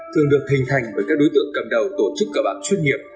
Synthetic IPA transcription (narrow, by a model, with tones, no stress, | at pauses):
t̪ʰɨ˨˩əŋɗɨ˨˩ək̚hï˨˩ŋ̟t̪ʰa˨˩jŋ̟ɓəː˧˩kaː˦˥k̚ɗo˨˦jt̪ɨ̰˧˨əŋkə˨˩m̚ɗə˨˩wt̪o˧˩t͡ɕɨ˦˥kːəː˧˩ɓa̰ː˧˨nt͡ɕwi˧ənŋi˨˩əp̚